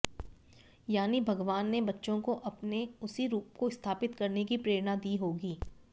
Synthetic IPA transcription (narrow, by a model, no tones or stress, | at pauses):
jaːnibʱɐɡʋaːnːebɐtːʃõkoʔɐpneʊsiɾuːpkoɪst̪ʰaːpɪt̪kɐɾnekipɾeːɾnad̪iːɦoːɡiː